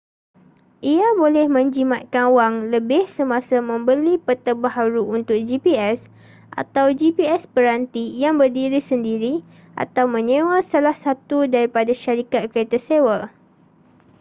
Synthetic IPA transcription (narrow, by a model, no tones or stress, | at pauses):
ʔiabolɛhmə̃ɲd͡ʒimãt̪̚kanwaŋləbɪhsəmãsamə̃mbəlipət̪əbaɦaɾuunt̪ʊk̚d͡ʒipiɛs | ʔa̰t̪awd͡ʒipiɛspəɾant̪ijaŋbərdiɾisəndiɾi | ʔa̰t̪awmə̃ɲẽwasalahsat̪udaɾipadaʃaɾikat̪̚kəɾet̪asewə